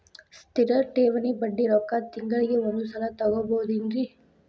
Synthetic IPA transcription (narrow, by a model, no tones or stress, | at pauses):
st̪iɾɐʈeːʋɐnibɐɖːiɾɔkːat̪iŋɡɐɭiɡeʋɔnd̪usɐlɐt̪ɐɡoboɦud̪inɾi